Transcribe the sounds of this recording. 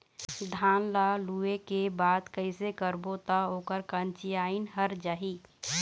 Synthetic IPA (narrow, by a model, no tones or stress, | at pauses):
d̪ʱaːnlaluekebad̪kəɪsekəɾbot̪ɔoːkəɾkənt͡ʃijaɪnɦəɾd͡ʒaːɦi